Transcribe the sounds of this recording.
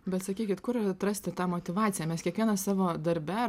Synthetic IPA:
bʲɛt̪sɐkʲiːkʲɪt̪kʊɾɪɾɐt̪ɾɐsʲt̪ʲɪt̪ɑːmoːt̪ʲɪʋɑːt̪ʲɪjæːmʲɛskʲiɛkʋʲiɛnɐsɑːʋoːd̪ɐɾʲbʲæ

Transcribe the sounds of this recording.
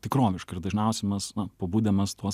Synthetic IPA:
t̪ʲɪkɾoːʋʲɪʃkɐɪɾd̪ɐʒʲnʲɛʊsʲɛmɐsnɐpɐbuːd̪ʲɛmɐst̪uɔs

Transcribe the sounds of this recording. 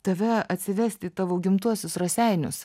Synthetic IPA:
t̪ɐʋʲɛɐt̪ʲsʲɪʋʲæsʲt̪ʲɪt̪ɑːʋoːɡʲɪmt̪uɔsʲʊsrɐsʲɛɪnʲʊ̰s

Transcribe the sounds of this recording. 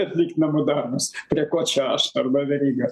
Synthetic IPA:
ɐt̪ʲlʲiːkt̪ʲnʲɛmod̪ɐrnɐspʲɾʲiɛkoːt͡ʃʲɛɐʃt̪ɐrbɐʋʲɛɾʲiːɡɐ

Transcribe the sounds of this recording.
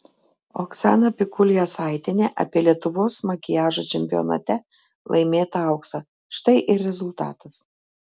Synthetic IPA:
o̰ːksʲæ̰ːnɐpʲɪkʊlʲjɛsɑˑɪt̪ʲɪnʲeːʔɐ̰pʲiːlʲiɛt̪ʊʋoːsmɐkʲɪjæːʒot͡ʃʲɛmʲpʲɪjɔ̰nɐ̰t̪ʲɛ | lˠʔɐ̰ɪmʲeːt̪ɐɐʊksɐ | ʃt̪ɐɪʔɪɾʲɾʲɛzʊlˠt̪ɑ̰ːt̪ɐs

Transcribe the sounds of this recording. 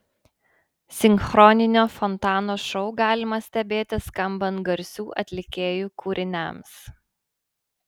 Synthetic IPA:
sʲɪŋʲxɾɔnʲɪnʲoːfɔnt̪ɑːnoːʃɔʊɡɑːlʲɪmɐsʲt̪ʲɛbʲeːt̪ʲɪskɐmbɐnt̪ɡɐɾʲsʲuːʔɐ̰t̪ʲlʲɪkʲeːjuːkʰuːɾʲɪnʲæ̰ms

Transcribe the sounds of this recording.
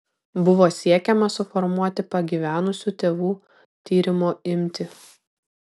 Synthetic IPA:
bʊʋoːsʲiɛkʲɛmɐsʊfɔɾmuɔt̪ʲɪpɐɡʲiːʋʲæːnʊsʲuːt̪ʲeːʋuː | t̪ʲiːɾʲɪmoːɪmʲt̪ʲɪ

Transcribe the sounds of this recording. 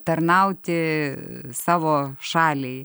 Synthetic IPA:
t̪ɐɾnɐʊt̪ʲɪ | sɑːʋoːʃɑːlʲɛɪ

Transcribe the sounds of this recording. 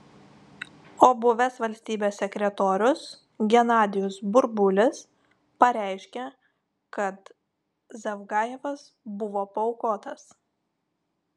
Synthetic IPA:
oːbʊʋʲɛsʋɐlʲsʲt̪ʲiːbʲeːsʲːɛkʲɾʲɛt̪oːɾʲʊs | ɡʲɛnɑːd̪ʲɪjʊsbʊɾbʊlʲɪs | pɐɾʲæˑɪʃʲkʲe | kɐt̪ | zɐʋɡɑːjɛʋɐs | bʊʋoːpɐɔʊkoːt̪ɐs

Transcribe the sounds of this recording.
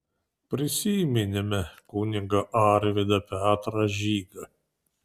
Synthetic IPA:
pʲɾʲɪsʲiːmʲɪnʲɪmʲɛkuːnʲɪŋɡɐʔɑːɾʲʋʲɪd̪ɐpʲɛɑːt̪ɾɐʒʲiːɡɐ

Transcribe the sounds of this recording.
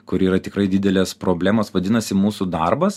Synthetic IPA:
kʊɾiːɾɐt̪ʲɪkɾɐɪd̪ʲɪd̪ʲɛlʲeːspɾoːbʲlʲæːmoːsʋɐd̪ʲɪnɐsʲɪmuːsud̪ɐrbɐs

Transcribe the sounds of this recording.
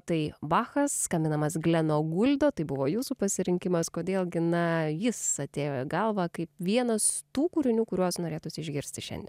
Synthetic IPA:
t̪ɐɪʋɑːxɐsskɐmʲbʲɪnɐmɐsɡlʲɛnoːɡʊlʲd̪oːt̪ɐɪbʊʋoːjuːsupɐsʲɪɾʲɪŋʲkʲɪmɐskoːd̪ʲeːlʲˠɡʲɪnɐjɪsɐt̪ʲeːjoɡɐlˠʋɐkɐɪpʋʲiɛnɐst̪uːkuːɾʲɪnʲuːkʊɾʲuɔsnoːɾʲeːt̪ʊsʲɪɪʒʲɡʲɪɾʲsʲt̪ʲɪʃʲɛ̰nd̪ʲeɛn

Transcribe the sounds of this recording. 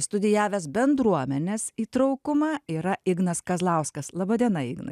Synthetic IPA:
st̪ʊd̪ʲɪjæːʋʲesbʲɛnd̪ɾuɔmʲɛnʲeːsiːt̪ɾɐʊkʊmɑːiːɾɐɪɡnɐskɐzlˠɐʊskɐslˠɑːbɐd̪ʲiɛnɐɪɡnɐ̰

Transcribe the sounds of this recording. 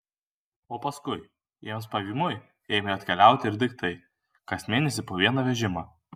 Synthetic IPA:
oːpɐskʊɪ | jeɛmspɐʋʲiːmʊj | eːmʲeɐt̪ʲkʲɛlʲæˑʊt̪ʲɪɪɾʲd̪ʲɪkt̪ɐɪ | kɐsmʲeːnʲɛsʲɪpoːʋʲiɛnɐʋʲɛʒʲɪmɑː

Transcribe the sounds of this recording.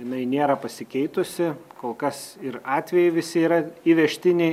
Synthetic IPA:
jɪnɐɪnʲeːɾɐpɐsʲɪkʲɛɪt̪ʊsʲɪkoːlˠkɐsɪɾɑːt̪ʲʋʲɛjɛɪʋʲɪsʲɪiːɾɐiʋʲɛʃʲt̪ʲɪnʲeɪ

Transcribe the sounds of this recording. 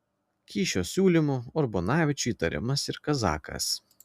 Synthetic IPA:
kʲiːʃʲoːsʲuːlʲɪmuɔɾbɔnɑːʋʲɪt͡ʃʲuiːt̪ɐɾʲɪ̰mɐsɪɾkɐzɑ̰ːkɐ̰s

